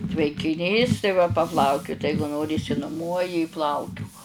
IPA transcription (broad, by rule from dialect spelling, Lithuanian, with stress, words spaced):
tʲʋʲɛŋʲkʲɪˈnʲiːs tɐɪ ˈʋɐ pɐˈplˠɐʊkʲʊt ˈɛɪɡʊ ˈnoːrʲɪ ɪʃʲsʲɪnʊˈmuɔjɪ ɪ ˈplˠɐʊkʲʊk